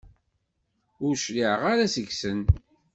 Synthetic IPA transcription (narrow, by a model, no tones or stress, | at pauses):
ʊɾʃliʕʁaɾasəɡsən